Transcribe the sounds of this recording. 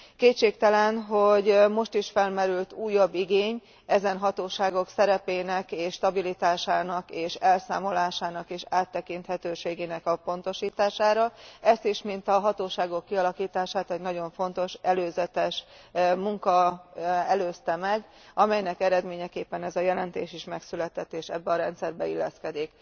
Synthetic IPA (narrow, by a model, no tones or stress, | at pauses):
keːtt͡ʃːeːkt̪ɛlɛnɦo̞ɟmo̞ʃt̪iʃfɛlmɛɾylt̪uːjːɒbːiɡeːɲ | ɛzɛnɦɒt̪oːʃaːɡo̞ksɛɾɛpeːnɛkeːʃːt̪ɒbilit̪aːʃaːnɒkeːʃɛlsa̰ːmo̞laːʃaːnɒkeːʃaːt̪ːɛkint̪hɛt̪øːʃeːɡeːnɛkɒpo̞n̪t̪o̞ʃiːt̪aːʃaːɾɒɛst̪iʃmint̪ɒɦɒt̪oːʃaːɡo̞kːiɒlɒkiːt̪aːʃaːt̪ɛɟnɒɟo̞ɱfo̞nt̪o̞ʃɛløːzɛt̪ɛʃ | muŋkɒ | ɛløːst̪ɛmɛɡ | ɒmɛjnɛkɛɾɛd̪meːɲɛkeːpːɛnɛzɒjɛlɛnt̪eːʃiʃmɛksylɛt̪ɛt̪ːeːʃɛbːɛɒɾɛnt̪sɛrbɛilːɛ̰skɛd̪ik